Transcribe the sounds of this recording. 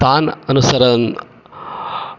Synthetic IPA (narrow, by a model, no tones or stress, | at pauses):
aːnɐnusɐɾɐn